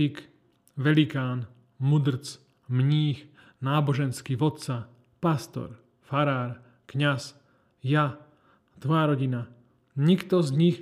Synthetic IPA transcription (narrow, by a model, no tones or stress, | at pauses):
ik | ʋɛlikaːn | mud̪ɾ̩t͡s | mɲiːx | naːbɔʒɛnskiʋɔt̪t͡sa | past̪ɔ̰ɾ | faɾaːɾ | kɲas | ja | t̪ʋɔjaɾɔɟina | ɲikt̪ɔzɲix